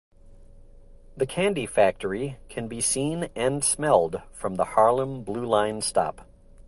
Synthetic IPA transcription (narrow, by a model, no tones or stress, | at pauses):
ðɨkʰæ̃ndifæk̚tʰə˞ikʰɨ̃nbisĩnɨ̃nsmɛlˠd̥fɹʌ̃mðəhɑɹlˠə̃mblulãɪ̃nstɑ̰p